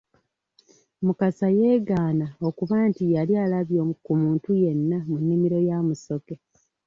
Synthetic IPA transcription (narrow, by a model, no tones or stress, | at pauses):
mukasaje̞ːɡaːnao̞kuβaːntijalialaβjokumuːntuje̞nːamunːimiɾo̞jamuso̞ke̞